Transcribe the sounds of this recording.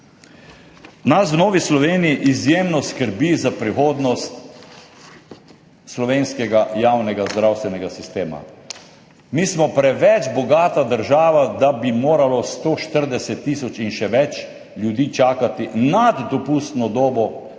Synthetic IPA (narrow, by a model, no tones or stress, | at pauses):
nas̬wnoːʋislɔʋeːnijiʔizjemnɔskəɾbizapɾixoːd̪nɔst̪ | slɔʋeːnskɛɡajaːwnɛɡazd̪ɾawst̪ʋɛnɛɡasist̪eːma̰ | mismɔpɾɛʋɛt͡ʃbɔɡaːt̪ad̪əɾʒaːʋad̪abimoːɾalɔst̪oːʃt̪əɾd̪ɛsɛt̪ːisɔt͡ʃinʃɛʋɛt͡ʃ | lʲjud̪iːt͡ʃaːkat̪inad̪d̪ɔpust̪nɔd̪oːbɔ